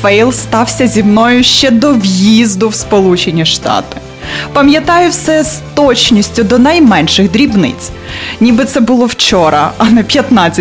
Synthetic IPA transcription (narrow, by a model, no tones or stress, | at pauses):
fɛjlˠst̪ɑwsʲɐzʲimnɔjʊʃt͡ʃɛd̪ɔʋjizd̪ʊwspɔlˠut͡ʃenʲiʃt̪ɑ̰t̪ɪ̥ | pɐmʲjɐt̪ɑjʊwsɛzt̪ɔt͡ʃnʲisʲtʲʊd̪ɔnɐjmɛnʃɪɣd̪ɾʲibnɪ̰t͡sʲ | nʲibɨt̪sɛbʊlˠɔwt͡ʃɔɾɐɐnɛpʲjɐt̪nɑt͡sʲːɐ